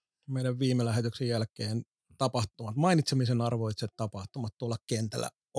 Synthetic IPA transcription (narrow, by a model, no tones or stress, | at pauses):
meiɾæʋʋiːmelæɦet̪yksejjælkˑeːn | t̪ɑpɑht̪umɑt̪mɑinit̪semisenɑrʋoit̪set̪t̪ɑpɑht̪umɑt̪t̪uolːɑkkent̪æ̰lːæ̰